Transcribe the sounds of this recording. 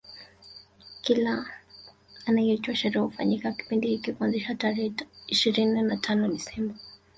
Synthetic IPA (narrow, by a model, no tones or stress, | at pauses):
kilaː | najɛt͡ʃwaʃɛɾɛufa̰ɲikaki̥pindihikikwanziʃataɾɛiʃiɾininatʰanɔɗisɛmba